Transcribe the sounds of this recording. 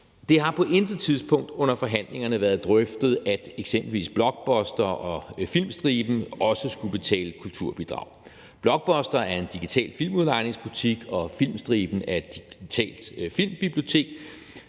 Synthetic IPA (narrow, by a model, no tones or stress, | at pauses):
d̥e̝ɦɑ̈pʰɒ̽ʔe̝nd̥̩ˠt͡sʰiðˠsb̥ʰɔ̽ŋ̰d̥ɔ̽n̰ɐfɒ̽ɦæn̰le̝ŋɐnəʋæːɐðˠd̥ʁœfd̥ð̞̩ˠæd̥eɡ̥semb̥l̩ʋḭːsb̥lɒ̽ɡ̥̚b̥ɒ̽sd̥ɐʔɒ̽filmsd̥ʁiːb̥n̩ɒ̽səsɡ̥ub̥e̝t͡sʰɛ̰ːləkʰult͡sʰuɐ̰b̥id̥ʁɑ̈ʊ̰ | b̥lɒ̽ɡ̥̚b̥ɒ̽sd̥ɐæɐe̝nd̥iɡ̥it͡sʰɛ̰ːlfilmuðˠlɑ̈ɪne̝ŋsb̥ut͡sʰiɡ̥ɒ̽fil̰msd̥ʁiːb̥n̩æɐedd̥i̥it͡sʰɛ̰ːld̥fil̰mb̥ib̥lijo̝t͡sʰe̝̰ːɡ̥